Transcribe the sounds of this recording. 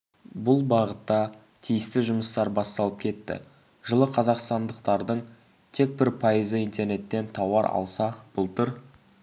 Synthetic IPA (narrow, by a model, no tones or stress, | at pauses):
bʊlˠbɑʁət̪ːɑ | t̪ʰijɪst̪ɪʒʊməst̪ɑɾbɑst̪ɑlˠəp̚kʲʰe̞t̪ːɪ̰ | ʒəlˠəqʰɑzɑqst̪ɑnd̪əqt̪ɑɾd̪əɴ | t̪ʰe̞k̚bɪɾpʰɑjəzəijnt̪ʰe̞ɾne̞t̪ːe̞nt̪ʰɑwɑɾɑ̰lˠsɑb̥ʊlˠt̪əɾ